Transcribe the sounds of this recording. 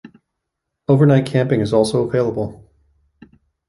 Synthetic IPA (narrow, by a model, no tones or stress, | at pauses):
oʊvə˞naɪt̚kʰæ̃mpɪ̃ŋɨzɔlˠsoʊəveɪlˠəbl̩ˠ